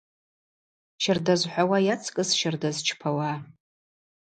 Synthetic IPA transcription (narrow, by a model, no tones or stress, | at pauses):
ʃardazħʷawajat͡sʰkʼɨsʃardazt͡ʃʰpʰawa